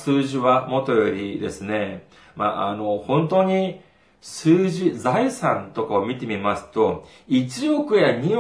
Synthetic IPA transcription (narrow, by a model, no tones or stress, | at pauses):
sɨːʑiβamo̞t̪o̞jo̞ɾʲid̪e̞̰sɨne̞ | ma̰ʔano̞hõ̞nt̪o̞ɲ̟i | sɨːʑid͡zaisãnt̪o̞kaomʲit̪e̞mʲimasɨ̥t̪o̞ | it͡ɕio̞kɯ̟jaɲ̟io